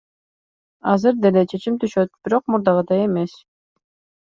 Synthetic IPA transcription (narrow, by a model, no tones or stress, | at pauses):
ɑzɯɾd̪e̞let͡ʃʰe̞t͡ʃimt̪yʃøt̪̚b̥iɾo̞q̚muɾd̪ɑʁɯd̪ɑje̞me̞s